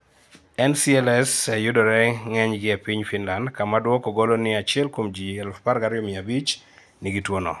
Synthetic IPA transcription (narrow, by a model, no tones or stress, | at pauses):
ɛnsiɛlɛsɛjʊdɔɾɛŋɛɲɡɪɛpiɲfinlandkamadwɔkoɡolonɪat͡ʃɪɛlkomd͡ʒiɛlfpaɾɡaɾɪjɔmɪabit͡ʃ | nɪɡitwonɔ̰